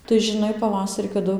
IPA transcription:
tɐɪ ʒʲɪˈnɐɪ pɐˈʋɑːsɐrʲiː kɐˈdʊ

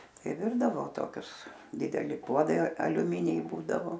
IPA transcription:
ˈtɐɪ ˈʋʲɪrdɐʋoː toːˈkʲʊs dʲɪdʲɛˈlʲɪ ˈpuɔdɐɪ ɐlʲʊˈmʲɪnʲɛɪ ˈbuːdɐʋoː

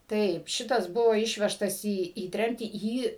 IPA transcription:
ˈtɐɪp ˈʃʲɪtɐs ˈbʊʋoː ˈɪʃʲʋʲɛʃtɐs iː iː ˈtʲrʲɛmʲtʲiː ˈjiː

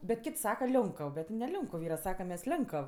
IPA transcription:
bʲɛt ˈkʲɪtʲ ˈsɑːkɐ ˈlʲoːŋkəw ˈbʲɛt nʲɛ ˈlʲoːŋkʊw ˈiːrɐ ˈsɑːkɐm ˈmʲɛs ˈlʲɛŋkəw

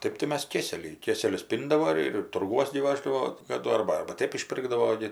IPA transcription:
ˈtɜp tɐɪ ˈmʲɛs ˈkʲeːsʲɛlʲɛɪ ˈkʲeːsʲɛlʲʊs ˈpʲiːndɐʋoː ˈɪr ɪr tʊrˈɡuɔs ɡʲɪ ˈʋɑːʒdɐʋoː kɐˈdʊ ˈɐrbɐ ɐrbɐ ˈtʲeːp ɪʃʲˈpʲɪrɡdɐʋoː ɡʲɪ

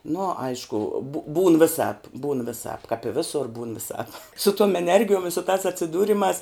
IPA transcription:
nʊ ˈɐɪʃkʊ bʊ buːn ʋʲɪˈsɑːp buːn ʋʲɪˈsɑːp kɐp ɪ ˈʋʲeːsʊr buːn ʋʲɪˈsɑːp sʊ tuɔm ɛˈnʲɛrʲɡʲɪjuɔm ɪ sʊ tɑːs ɐtʲsʲɪˈduːrʲɪmɑːs

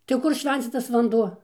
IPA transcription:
tɐɪ ˈkʊr ˈʃʲʋʲɛnʲt͡sʲiːtɐs ʋɐnˈduɔ

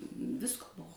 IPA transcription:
ˈʋʲɪskoː ˈbuɔ

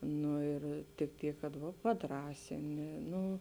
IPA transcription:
ˈnʊ ɪr tʲɪk ˈtʲiːk kɐt ˈʋɐ pɐˈdrɑːsʲɪnʲɪ ˈnʊ

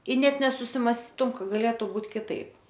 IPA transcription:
ɪ ˈnʲɛt nʲɛsʊsʲɪmɐsʲˈtʲiːtʊm ˈkɐ ɡɐˈlʲeːtʊ ˈbuːt kʲɪˈtɐɪp

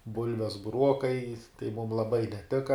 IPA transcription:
ˈbʊlʲʋʲɛs bʊˈruɔkɐɪ tɐɪ mʊm lˠɐˈbɐɪ nʲɛˈtʲɪkɐ

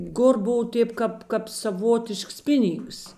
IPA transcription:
ˈkʊr ˈboːw ˈtʲeːp kɐp kɐp sɐˈʋoːtʲɪʃks ˈpʲɪˌnʲiːŋks

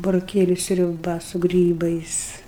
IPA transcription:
bʊroːˈkʲeːlʲʊ sʲrʲʊˈbɐ sʊ ˈɡrʲiːbɐɪs

